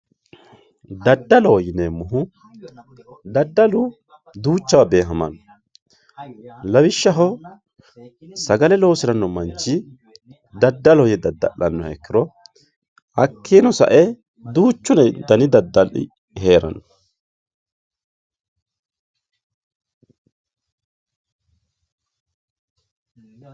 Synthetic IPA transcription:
d̪ɐd̪ːɐlɔwɔjɪnemːʊɦʊ | d̪ɐd̪ːɐlʊ | d̪uːt͡ʃːɐwɐbe̞ːɦɐmɐ̰nɔ | lɐwɪʃːɐɦɔ | sɐɡɐlɛlo̞ːsɪɾɐnːɔmɐnt͡ʃːɪ | d̪ɐd̪ːɐlɔjɛd̪ɐd̪ɐʔɐnːɔhɛkːɪɾɔ | ɐkʰːeːnɔsɐ̰ʔɛ | d̪uːt͡ʃːʊnɛd̪ɐnɪd̪ɐd̪ːɐlɪ̰ | ɦeːɾɐ̰nɔ

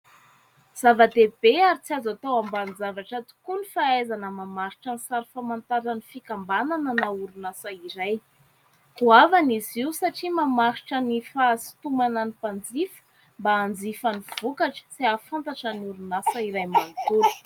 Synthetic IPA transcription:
z̥avad̪eb̥eaɾit͡siazat̪awambanid͡zavaʈ͡ʂat̪u̥kunifaajzanəmamaɾiʈ͡ʂənisaɾifamant̪aɾanifikambanananauɾunasaiɾaj | huavaniziwsaʈ͡ʂimamaɾiʈ͡ʂənifasi̥t̪umananipand͡zifə̥ | mbaːnd͡zifaniv̥ukaʈ͡ʂə̥t͡siafant̪aʈ͡ʂaniuɾunasəiɾajmant̪uɾu̥

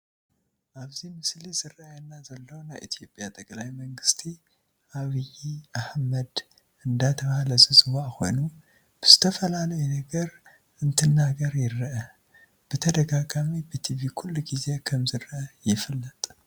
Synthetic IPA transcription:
ʔaβzimɨslizɨrajɛnːazɐlːownajʔḭt̪ʰijo̞pʼjat̪ʼɐkʼlajmɐŋɡɨst̪ʰi | ʔaβɨjiʔahmɐd̪ | ʔɨnd̪at̪ʰɐβahlɐzɨzɨwaʔko̞̰jnu | b̥ɨz̥ɨt̪ʰɐfɐlalɐjɛnɐɡɐɾ | ɨnt̪ʰɨnːaɡɐɾjɪɾːɨʔɐ | b̥ɨt̪ʰɐd̪ɐɡaɡamibɨt̪ʰiβikʰulːuɡize̞kʰɐmzɨɾʔɐjɪfɨlːɐt̪ʼ

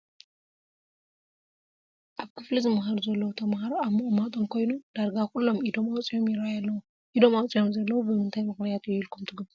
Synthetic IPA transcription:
ʔaβkʰɨflizɨmɦaɾuzɐlːɐwot̪ʰɐmhaɾoaβmoʔʼomat̪ʼo̞mkʰo̞jnud̪̥aɾɡakʰulːo̞mid̪omawt͡sʼijo̞mjɪɾajaːɐw | ʔid̪o̞mawt͡sʼijo̞mzɐlːɐwubɨmɨnt̪ʰajmɨknijat̪jilkʰumt̪ʰɨɡb

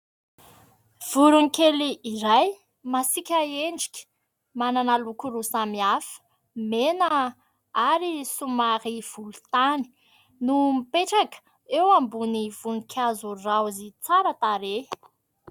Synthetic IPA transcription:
v̥uɾuŋikeliːɾaj | masikʲaeɳɖ͡ʐi̥kʲə̥ | mananalukuɾusamiafə̥ | menə | aɾisumaɾiv̥ulu̥t̪ani̥ | numipeʈ͡ʂakə̥ | ewambuniv̥unikʲʰazurawzit͡saɾət̪aɾe

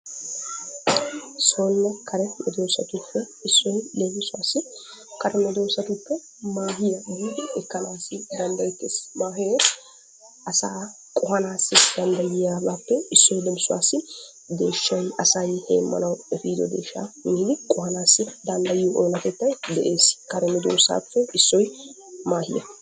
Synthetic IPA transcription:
soːnːɐkʰɐɾɛmɛ̰d̪oːsɐt̪ʊpːɛ | ɪsːɔjlemɪsʊwaːsːɪ | kɐɾɛmɛd̪oːsɐt̪ʊpːɛ | maːɦɪjɐɡiːd̪ɛɛkːɐnaːsɪd̪ɐnd̪ɐjɪt̪ːesmaːɦɪjɛ | ɐsaː | kʼʊɦɐnaːsːɪd̪ɐnd̪ɐjɪjaːbaːpːɛɪsːɔjlɛmɪsʊwa̰ːsːɪ | d̪e̞ːʃːɔjɐsɐjhḛːmːɐ̰nɐwɛfiːd̪ɔ̰d̪e̞ːʃːa̰ːmɪnːɪkʼʊhɐnaːsːɪd̪ɐnd̪ɐjɪjɔʔoːnɐt̪ɛt̪ːɐjd̪ɛʔe̞ːskɐɾɛmɛd̪o̰ːsa̰ːpːɛɪsːɔj | maːhɪ̰jɐ̰

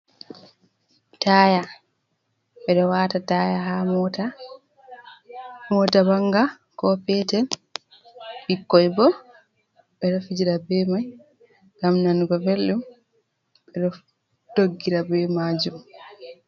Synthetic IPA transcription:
taːja | ɓɛɗɔwaːtatajaɦamta | mɔtabaŋɡa | kɔpɛːtɛn | bikːɔjbɔ | ɓɛɗɔfid͡ʒiɾabɛmaj | ɡamnanuɡɔvɛlːum | bɛɗɔ | doɡːiɾabɛmaːd͡ʒum

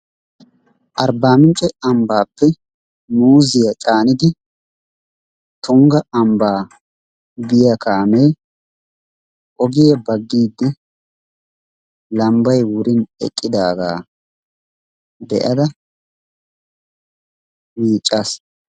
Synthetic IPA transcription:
ʔɐɾbaːmɪnt͡ʃʼːɛɐmbaːpːɛ | nmuːzɪjɐt͡ʃʼaːnɪd̪ɪ | t̪ʊŋɡɐʔɐmbaː | ɡɪjɐkaːmeː | ʔɔɡɪjɐbɐɡːiːd̪ːɪ | lɐmbɐjwʊɾɪnɛ̰kʼːɪd̪aːɡa̰ː | b̪ɛ̰ʔɐd̪ɐ | miːt͡ʃʼːas

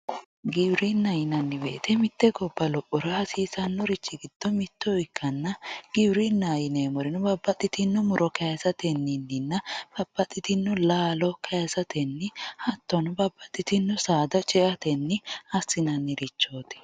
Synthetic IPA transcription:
ɡɪbɾinːɐjɪnɐnːɪbḛːt̪ɛmɪt̪ːɛɡɔbːɐlɔʔɔɾɐhɐsiːsɐnːɔɾɪt͡ʃːɪɡɪd̪̥ːɔmɪt̪ːɔɪkʰːɐnːɐɡ̥ɪbɾɪnːajɪneːmɔɾɪnʊbɐbːɐt̪ʼːɪt̪ɪnːʊmʊɾɔkʰɐjɐsɐt̪ɛnːɪnːɪnːɐb̥ɐb̥ːɐt̪ʼːɪt̪ɪnːʊlaːlɔkʰɐjɐsɐt̪ʰɛnːɪhɐt̪ːɔnʊbɐbːɐt̪ʼːɪt̪ɪnːʊsaːd̪ɐt͡ʃʼɛʔɐt̪ɛnːɪɐsːɪnɐnːɪɾɪt͡ʃːo̞ːt̪ɪ̥

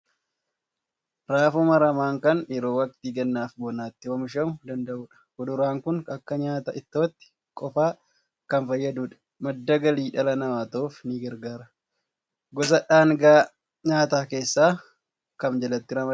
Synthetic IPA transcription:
ɾaːfʊmɐɾɐmaːŋkɐnɛɾoːwɐkt̪iːɡɐnːaːfbɔnaːt̪ːɪwɐmɪʃɐmʊd̪ɐnd̪ɐʔuːᶑɐ̥hɔd̪ʊɾaːŋkʊnɐkːɐɲaːt̪ɐʔɪt̪ːoːɐt̪ːɪ̥ | kʼɔfaː | kɐnfɐjːɐd̪uːᶑɐ̥ | mɐd̪ːɐɡɐliːᶑɐlɐnɐmaːt̪ɐofniːɡɐɾɡaːɾɐ | ɡɔs̬ɐᶑaːŋɡaː | ɲaːt̪aːke̞ːsːaː | kɐmd͡ʒɐlɐt̪ːɪɾɐmɐ

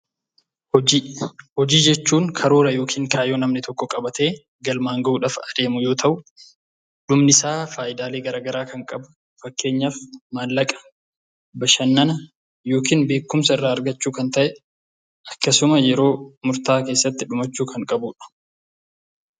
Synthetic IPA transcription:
hɔd͡ʒiːd͡ʒɛt͡ʃːuːŋkʰɐɾoːɾɐjo̞ːkʰiːŋkʰaːjoːnɐmnɪt̪ʰɔkːɔkʼɐbɐt̪e̞ː | ɡɐlmaːŋɡɐʔuːᶑɐfɐd̪e̞ːmʊjo̞ːt̪ʰɐʔʊ | ᶑʊmnɪsaːfaːʔɪd̪aːle̞ːɡɐɾaːɡɐɾaːkɐŋkʼɐbʊ | fɐkːe̞ːɲːafmaːlːɐkʼɐ̥ | bɐʃɐnːɐnɐ | jo̞ːkiːnbe̞ːkːʊmsɐɪrːaːɾɡɐt͡ʃːuːkɐnt̪ɐʔɛ | ʔɐkːɐsʊmɐjɛɾo̞ːmʊɾt̪aːke̞ːsːɐt̪ːɪᶑʊmɐt͡ʃːuːkʰɐŋkʼɐbuːᶑɐ̥

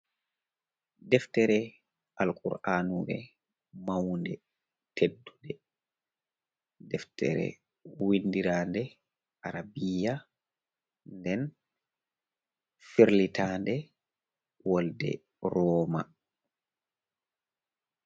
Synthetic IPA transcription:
dɛftɛɾɛ | ʔalkʼṵɾʔanubɛ | mawndɛ | tʰedːudɛ | dɛftɛ̰ɾɛ̰ | winːdiɾaːndɛ | ʔaɾabija | ndɛn | fiɾlitʰaːndɛ | wɔldɛ̰ | ɾɔːma̰

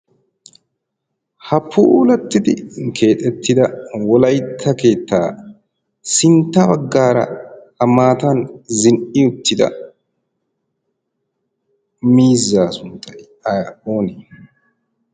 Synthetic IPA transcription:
hɐpʰːʊʔuːlɐt̪ːɪd̪ɪkʰe̞ːt̪ʼɛt̪ːɪd̪ɐwɔlɐjt̪ʰːɐke̞ːt̪ːaː | sɪnt̪ːɐbɐɡːaːɾɐ̰ | ɐmaːt̪anzɪnʔɪʊt̪ːɪd̪ɐ̰ | miːzːaːsʊnt̪ɐj | o̞ːneː

